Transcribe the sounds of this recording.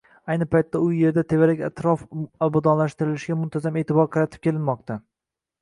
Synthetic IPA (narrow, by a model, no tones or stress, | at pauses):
ajnɪpʰajt̪ʰːaʊje̞ɾd̪at̪ʰe̞vaɾakʲat̪ʰɾɒfabad̪ɒnlaʃt̪ɪɾɪlɪʃɡʲamʊnt̪ʰazame̞ːt̪ʰɪbɒɾqʰɑɾat̪ʰɪ̥p̚kʲʰe̞lɪnmɒqt̪ʰa